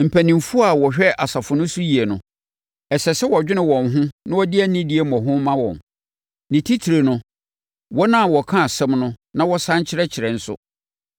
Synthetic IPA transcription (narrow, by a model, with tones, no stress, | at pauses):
m̩˨pʰæ˨nĩ˨mfu˦a˨wɔ˨ɕᶣɛ˦ʔa˨sa˨fʊ˨nʊ̃˦su˦ji˨e˨nʊ̃˨ | ɛ˨sɛ˨sɛ˦wɔ˨d͡ʑᶣɪ˦nɪ̃˨wɔ̃˨nɦʊ̃˦nã˦wɔ˦dɪ˦æ˦nĩ˦di˦e˨mɔ̃˨ɦʊ̃˦m˦mã˦wɔ̰̃˨m | nĩ˨tʰi˦tʰi˨ɾe˨nʊ̃˦ | wɔ˦nã˦˨wɔ˨kʰã˦a˨sɛ̃˦mnʊ̃˦nã˦wɔ˦sã˦ɲt͡ɕʰɪ˦ɾɛ˦t͡ɕʰɪ˨ɾɛ˨n̩˦sʊ̰˦